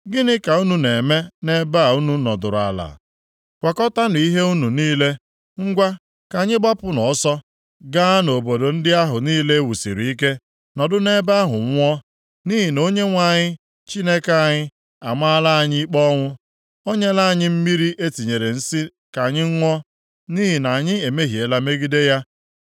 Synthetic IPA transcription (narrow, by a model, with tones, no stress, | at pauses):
ɡɪ˦nɪ˦ka˨u˦nu˦ne˨me˦ne˦ba˦˨u˦nu˦nɔ˨dʊ˨ɾa̰˨la̰˨ | kʷa˨kɔ˦ta˦n˨i˦ɦe˦u˦nu˨niː˦le˦ | ŋ̩˦ɡʷa˦ | ka˨ɲɪ˦ɡ͡ba˦pʊ˦nɔ˨˦sɔ˦ | ɡa˦no˨bo˨do˨n̩˦dɪ˦a˦ɦʊ˨niː˦le˦e˦wu˨sḭ˨ɾi˨i˦ke˦ | nɔ˨dʊ˦ne˦ba˦ɦʊ̰˨ŋ̩ʷ˦ɔ˦ | ni˦ɦi˨no˦ɲe˦ŋʷa˨ɲɪ˦ | t͡ʃi˦ne˦ka˦˨ɲɪ˦ | a˨ma˦la˦a˨ɲɪ˦i˦k͡pɔ˦ŋʷʊ˦ | o˦ɲe˦la˦a˨ɲɪ˦m̩˦mi˦ɾi˦ʔe˦ti˨ɲe˨ɾe˨n̩˦si˦ | ka˨ɲɪ˦ŋ̩˦ŋʷɔ˦ | niː˦ɦi˨na˨ɲɪ˦e˨me˦ɦi˨e˨la˦me˦ɡi˦de˦ja˦